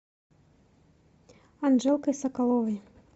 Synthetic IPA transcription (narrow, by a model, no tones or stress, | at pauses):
anʐɛlˠkɐjsɐkalˠɔvɐj